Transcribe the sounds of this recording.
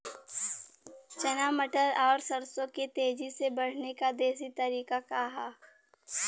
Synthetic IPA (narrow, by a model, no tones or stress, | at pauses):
t͡ʃɐnaːməʈəɾɔːɾsɐɾsõket̪eːd͡ʒisebɐɽ̤nekad̪eːs̬it̪ɐɾiːkakaːɦaː